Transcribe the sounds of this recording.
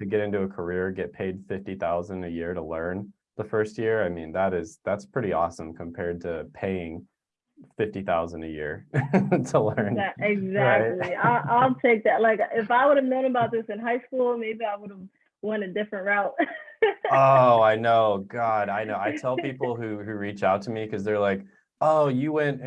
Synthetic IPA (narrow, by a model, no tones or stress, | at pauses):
tʰɨɡɛɾɪ̃ntʉəkʰə˞ɪɹɡɛt̚pʰeɪd̥fɪftiθaʊzɨ̃ndɨjɪɹɾəlɜ̃˞n | ðəfɜ˞st̚jɪɹaɪmĩnðəɾɪz̥ðætspʰɹ̥ɪɾiɔsə̃mkʰɨ̃m̩pʰɛɹd̚tʰɨpʰeɪɪ̃ŋ | fɪftiθaʊzə̃n̩dɨjɪ̰ɹtʰəlɜ̃˞nɪɡzæɹakɪt̚ˡliaɪʔaɪlˠtʰeɪk̚ðæt̚laɪkɪfaɪwʊɾɨvnõʊ̃nəbaʊt̪̚ðɪsɨ̃nɦaɪskulˠmeɪbiaɪwʊɾəv | wʌ̃nɨdɪfɹɨ̃nʔ̚ɹaʊt̚ | oʊaɪnoʊɡɑɾaɪnoʊaɪtʰɛlˠpipll̩ˠɦʉhʉɹit͡ʃaʊtʰɨmikʰʌzðə˞laɪk | oʊjɨwɛ̃nt